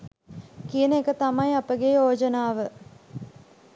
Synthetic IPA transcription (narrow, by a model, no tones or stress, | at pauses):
kijənəekət̪amajɐpəɡeːoːd͡ʒənaːʋə